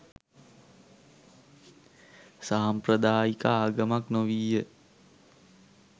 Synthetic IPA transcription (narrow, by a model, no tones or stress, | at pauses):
saɦɐmpɾəd̪aːikaaːɡəmaknoʋiːjə